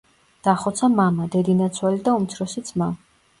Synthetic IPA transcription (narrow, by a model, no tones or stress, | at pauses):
d̪̥aχɔt̪sʰamamad̪ɛd̪inat̪sʰwalid̪aumt̪sʰɾɔsit̪sʰma